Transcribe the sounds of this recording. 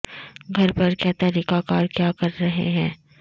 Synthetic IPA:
ɡʱɐɾpɐɾkjaːt̪aɾiːkakaːɾkjaːkɐɾːɐɦḛɦɛ̃ː

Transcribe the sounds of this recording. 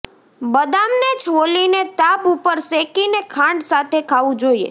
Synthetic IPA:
bəd̪amned͡ʒʰʋolinet̪abupəɾsekinekʰãɳɖsat̪ʰekʰaʋũd͡ʒoiḛ

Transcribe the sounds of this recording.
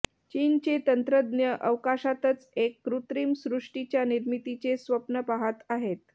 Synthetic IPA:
t͡ɕiːnt͡ɕet̪ənt̪ɾəd̪njəʔəʋkaɕat̪ət͡sekːɾut̪ɾiːmsɾuʂʈit͡ɕjaniɾmit̪it͡sesʋəpnəpaɦat̪aɦet̪̚

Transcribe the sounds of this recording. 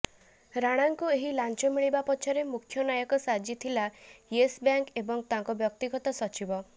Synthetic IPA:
ɾaɽ̃aŋkueɦilant͡ʃɔmiɭibapɔt͡ʃʰɔɾemukʰːjɔnajɔkɔsad͡ʒit̪ʰilajesbjaŋkebɔŋt̪aŋkɔbjɔkt̪iɡɔt̪ɔsɔt͡ʃibɔ

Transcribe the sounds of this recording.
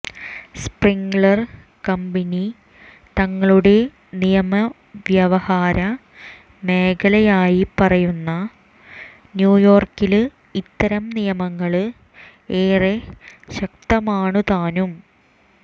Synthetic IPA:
spriŋɡɭɐr | kɐmbɐni | t̪ɐŋːɐɭuɽe̞ | nijɐmɐ | ʋjɐʋɐhaːɾɐ | me̞ːkɐlɐjaːjipɐrɐjunːɐ | njuːjo̞ːrkil | it̪ːɐɾɐmnijɐmɐŋːɐɭɨ | eːreɕɐk̚t̪ɐmaːɳɨt̪aːnum

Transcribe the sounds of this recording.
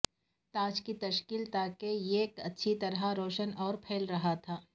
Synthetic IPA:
t̪aːd͡ʒkit̪ɐʃkiːlt̪aːkejeːkɐtːʃʰit̪ɐɾɦaɾoːʃənɔːɾpʰeːlɾɐɦat̪ʰaː

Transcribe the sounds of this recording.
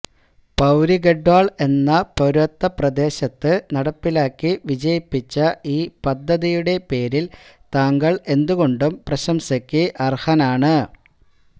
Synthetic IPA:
pɐwɾiɡeɖwaːɭe̞nːɐpo̞ɾɐt̪ːɐprɐd̪e̞ːɕɐt̪ːɨnɐɽɐpːilaːkːiʋid͡ʑɐjipːit͡ɕːɐʔiːpɐd̪ʱːɐðijuɽe̞pe̞ːɾil | t̪aːŋɡɐɭe̞nd̪uɣo̞ɳɖumprɐɕɐmsɐkʲːiʔɐrhɐnaːɳɨ

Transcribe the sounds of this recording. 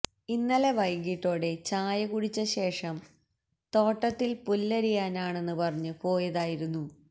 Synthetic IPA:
inːɐleʋɐjɡiʈːo̞ːɽe̞t͡ɕaːjɐkuɽit͡ɕːɐɕe̞ːʂɐm | t̪o̞ːʈːɐt̪ːilpulːɐɾijaːnaːɳe̞nːɨpɐrɐɲːɨpo̞ːjɐðaːjiɾunːu

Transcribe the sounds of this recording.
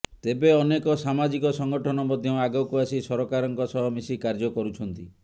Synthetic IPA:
t̪ebeɔnekɔsamad͡ʒikɔsɔŋɡɔʈʰɔnɔmɔd̪ʱjɔaɡɔwkuasisɔɾɔkaɾɔŋkɔsɔɦɔmisikaɾd͡ʒɔkɔɾut͡ʃʰɔnt̪i

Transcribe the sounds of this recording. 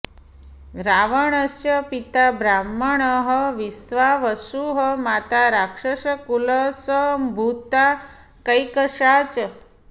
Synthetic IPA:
ɾaʋəɳəsjəpit̪abɾamːəɳəɦəʋisʋaʋəsuɦəmat̪aɾakʂəʃəkuləsəmbʱut̪a | kəjkəʃat͡ʃə

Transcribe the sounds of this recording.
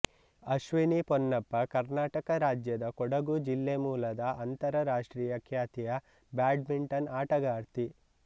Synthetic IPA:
ɐʃʋinipɔnːɐpːɐkɐɾnaːʈɐkɐɾaːd͡ʒjɐd̪ɐkɔɽɐɡud͡ʒilːemuːlɐd̪ɐʔɐnt̪ɐɾɐɾaːʂʈɾiːjɐkʰjaːt̪ijɐ | baːɖmiɳʈɐnaːʈɐɡaːɾt̪i

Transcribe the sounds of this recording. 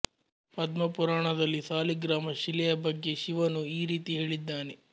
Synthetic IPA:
pɐd̪mɐpuɾaːɳɐd̪ɐlːisaːliɡɾaːmɐʃilɛjɐbɐɡːe̞ʃiʋɐnuiːɾiːt̪iɦe̞ːɭid̪ːaːne

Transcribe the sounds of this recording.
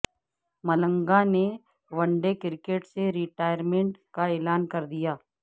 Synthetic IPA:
mɐlə̃ŋɡane | ʋɐ̃ɳɖekɪɾkeːʈseɾiʈaːjəɾmẽɳʈkaeːlaːnkɐɾd̪ijaː

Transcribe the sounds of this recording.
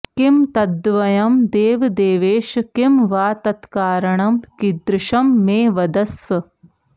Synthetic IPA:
kimt̪ɐd̪ʋɐjɐmd̪eːʋd̪eːʋeːʃkimʋaːt̪ɐt̪kaːɾɐɳɐmkid̪ɾɪʃɐmːeːʋɐd̪ɐsʋɐ

